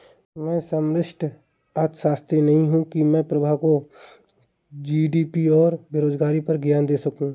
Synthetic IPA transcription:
mɛ̃ːsəmɾɪʃʈʰ | at̪ʃaːst̪ɾinɐɦĩɦũkimɛ̃ːpɾɐbʱako | d͡ʒiːɖiːpiɔːɾbeɾoːd͡ʒɡaːɾipɐɾɡjaːnd̪eːsɐkũː

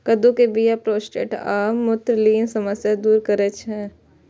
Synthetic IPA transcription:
kɐd̪ũkebijapɾoːsʈḛːʈaːmːʊt̪ɾliːnsɐməsjad̪uːɾkəɾət͡ʃɦɛ̃ː

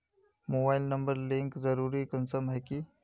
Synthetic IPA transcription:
moːbaːɪlnɐ̃mbəɾlɪ̃ŋkzɐɾuːɾikənsəmɦɛki

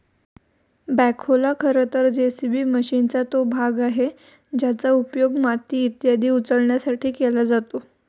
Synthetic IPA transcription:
bækʰolakʰəɾət̪əɾd͡ʑesibʱiːməɕint͡sat̪obʱaɡaɦe | d͡ʑjat͡saupjoɡmat̪iːt̪jad̪ʱiːut͡səɽɳjasaʈʰiːkelad͡zat̪o

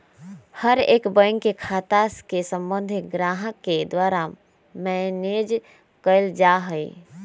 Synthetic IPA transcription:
həɾḛːkbəŋkekʰaːt̪askesə̃mbə̃nd̪ʱɪɡɾaɦəkːed̪waːɾa | mɛned͡ʒ | kəɪld͡ʒaɦəj

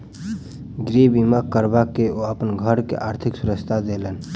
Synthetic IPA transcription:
ɡɾebimakəɾbakeoəpənɡʱəɾkḛʔaːɾt̪ʰɪksʊɾəkst̪ʰad̪elən

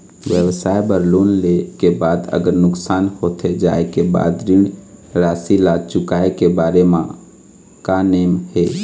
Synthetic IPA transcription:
ʋjəwsaːebəɾloːnlekebaːd̪ə̰ɡəɾnʊksaːnhoːt̪ʰed͡ʒaekeba̰ːd̪ɾɪɳɖɾaːsilat͡ʃʊkaːekebaːɾemã | kaneːmheː

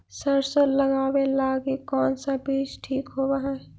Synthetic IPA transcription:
səɾsələɡaːwelaːɡikɔːnsabiːt͡ʃʈʰiːkɦoːbaɦɛ

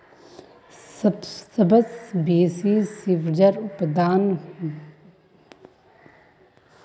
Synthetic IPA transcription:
ssəbəsbeːsisiʋd͡ʒəɾʊpd̪aːnh

